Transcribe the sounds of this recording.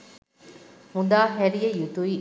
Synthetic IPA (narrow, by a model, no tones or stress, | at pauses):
mud̪aːɦæɾijɐjut̪ui